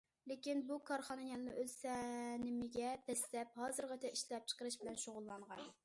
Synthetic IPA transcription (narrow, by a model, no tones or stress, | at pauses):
lɪkʲinbukʰɑɾχɑnɨjɛnɨnɨʔøzsɛnɪmɪɡʲɛp̪ʰɛslɛp̚hɑːzɨɾʁɑt̪ʰɛiʃlɛp̚t͡ʃʰə̥qəɾɨʃbɪlɛnʃoʁʊlˠːɑɴʁɑn